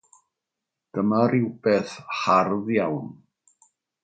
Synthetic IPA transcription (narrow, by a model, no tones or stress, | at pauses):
ɡ̥əmaɾɪwb̥eːθharðjawn